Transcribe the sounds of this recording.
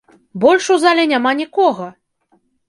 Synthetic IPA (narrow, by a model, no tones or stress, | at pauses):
bɔlʲʂuzalʲɛnʲamanʲikɔɣɐ